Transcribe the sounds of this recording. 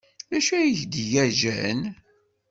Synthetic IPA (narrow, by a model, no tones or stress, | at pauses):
ðæʃæjəçd̪ʝæʒæ̰n